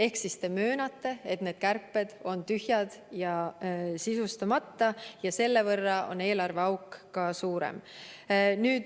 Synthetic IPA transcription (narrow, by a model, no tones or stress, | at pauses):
e̞ksist̪e̞møːnɑt̪ːe̞et̪ne̞ːd̪̥̚kærpˑːe̞d̪̥o̞nt̪yhjɑd̪̥jɑsisust̪ɑmɑt̪ːɑjɑse̞lːe̞vɤrːɑʔo̞̰ne̞ːlɑrve̞ɑwkːɑsuːɾḛm | nyːd̪